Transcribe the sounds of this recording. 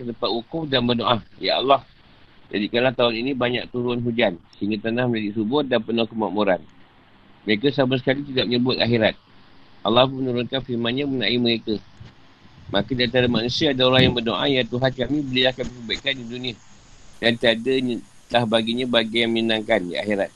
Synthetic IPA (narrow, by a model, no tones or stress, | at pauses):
kət̪əpat̪ukʊmdanbərdoʔaja̰a̰lːah | d͡ʒadikalat̪aʊninĩbaɲa̰k̚t̪uɾʊnɦud͡ʒansəiŋɡat̪ənahmə̃ɲd͡ʒadiʔsubʊdanpənakəmaʔmuɾan | məɾekasabasə̥kalit̪idaʔ̚məɲəbʊt̪̚a̰xeɾat̪̚ʔalːah̬umənuɾʊnkanfiɾmanɲamənaʔiməɾekə | makadiant̪aɾamanusiaːdaoɾahjaŋbərdoʔajat̪uɦankamĩbəliahkamisəbaikandidunia | dant̪iadəɲ | lahbaɡiɲãbaɡajaŋməɲənaŋkandia̰xeɾat̪̚